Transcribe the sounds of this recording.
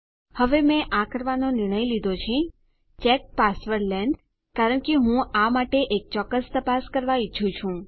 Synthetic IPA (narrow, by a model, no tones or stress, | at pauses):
həʋemɛ̃ʔakəɾʋanonɪɾɳ̃əjlid̪ʱot͡ʃʰe | t͡ʃɛk̚pasʋəɾlɛɳɖ | kaɾəɳkeɦũamaʈeʔek̚t͡ʃɔkːəst̪əpaskəɾʋait͡ʃʰũt͡ʃʰũ